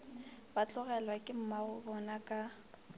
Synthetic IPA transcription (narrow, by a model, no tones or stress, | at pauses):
bat͡ɬʼʊɣɛlwakʼɪm̩maʊbɔnakʼa